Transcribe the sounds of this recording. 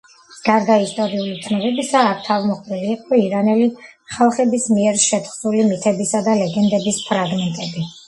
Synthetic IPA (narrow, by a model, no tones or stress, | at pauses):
ɡ̥aɾd̪aist̪ʼɔɾiulit̪ʰnɔbɛbisaːk̚ʰt̪ʰavmɔχpɛliːqʼɔiɾanɛliχalˠχɛbismiɛɾʃɛt̪ʰχzulimit̪ʰɛbisad̪alɛɡɛnd̪ɛbispʰɾaɡmɛnt̪ʼɛbi